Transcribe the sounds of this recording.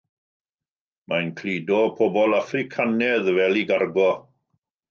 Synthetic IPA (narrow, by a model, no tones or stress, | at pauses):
majnkʰlidɔpʰɔbɔlˠafrɪkʰanɛðvɛlˠiɡarɡɔ